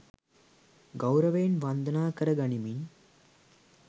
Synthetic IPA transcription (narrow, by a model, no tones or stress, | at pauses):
ɡɐwɾɐʋeːnʋand̪ənaːkɐɾɐɡɐɳimin